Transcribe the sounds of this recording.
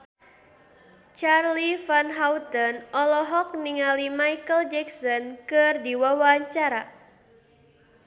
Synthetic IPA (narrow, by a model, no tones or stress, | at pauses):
t͡ʃarlifanɦawt̪ɔnɔlɔɦɔk̚niŋalimajkəld͡ʒɛksɔnkɨrdiwawaɲt͡ʃaɾa